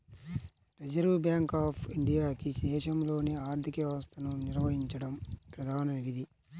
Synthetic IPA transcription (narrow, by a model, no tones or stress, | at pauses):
ɾed͡ʒɐɾʋubjaːŋkaːpʰiɳɖijaːkid̪ɛːʃɐmlo̞ːneːaːɾt̪ʰikɐʋaːst̪ɐnuniɾʋɐɦiɲt͡ʃɐɽɐmpɾɐd̪ʱaːnɐniʋid̪ʱi